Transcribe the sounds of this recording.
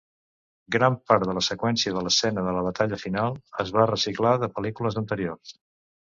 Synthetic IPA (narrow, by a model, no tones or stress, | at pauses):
ɡɾampaɾðələsəkwɛnsiəðələsːɛnəðələβ̞ət̪aʎəfinalˠəzβ̞arəsiklaðəpəlikuləzənt̪əɾiors